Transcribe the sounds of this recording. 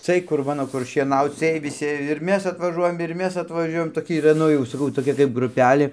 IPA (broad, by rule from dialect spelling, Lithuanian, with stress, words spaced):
ˈt͡sɨɜj kʊr ˈmɑːnoː kʊr ʃʲiɛˈnɐʊt͡s ˈt͡sɨɜj ʋʲɪˈsʲɪ ɪr ˈmʲɛs ɐtʋɐˈʒuɔjɛm ɪr ˈmʲɛs ɐtʋɐˈʒʲuɔjɛm toːˈkʲɪ iːˈrɐ ˈnʊ jɛʊ sɐˈkɐʊ toːˈkʲɛ kɐɪp ɡrʊˈpʲæːlʲeː